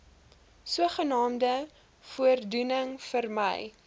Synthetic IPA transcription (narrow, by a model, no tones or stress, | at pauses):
suəχənɑːmdə | fuərdunəŋfərmə̰j